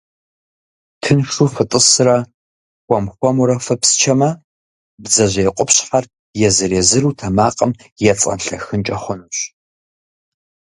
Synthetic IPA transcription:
tʰɨnʂuːfɨtʼɨsɨrɐ | xʷɔmxʷɔmuɾɐfɐpst͡ʃʰɐmɐ | bzɐʑeːqʷʼʊpɕħar | jɛzɨɾeːzɨruːtʰɐmaːqʼɐmjɛt͡sʼɐ̰nɬɐxɨnt͡ʃʼɐχʷʊnuɕ

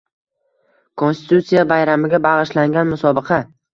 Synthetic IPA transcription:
kʰonst̪ɪ̥t̪ut̪sijabajɾamɪɡʲabɑʁɨʃlaŋɡʲanmʊsɒbɨqʰɑ

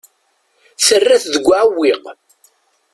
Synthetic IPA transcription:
θərːæθðəɡʷːaʕwːiʁ

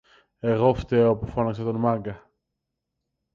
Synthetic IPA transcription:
e̞ɣo̞ft̪eopufonɐksɐt̪onmɐŋɡɐ

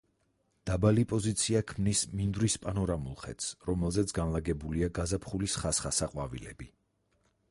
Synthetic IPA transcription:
d̪̥abalipʼɔzit̪sʰiakʰmnismind̪ɾispʼanɔɾamulˠχɛ̰t̪sɾɔmɛlˠzɛt̪sʰɡanlˠaɡɛbuliaɡazapʰχulisχasχasaqʼwavḭlɛ̰bi

